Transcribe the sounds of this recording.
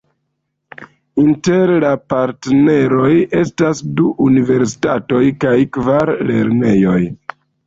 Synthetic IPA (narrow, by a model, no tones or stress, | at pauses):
inte̞ɾlapaɾtne̞ɾo̞je̞stasduʔunive̞ɾsi̥tato̞jkajkvaɾle̞ɾne̞jo̞j